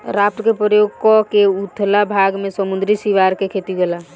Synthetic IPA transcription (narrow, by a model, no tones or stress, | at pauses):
ɾap̚ʈ̪ɾəkepɾəjoɡkɔkeut̪ʰlabʱaɡmesəmund̪ɾisiʋaɾkekʰet̪iɡela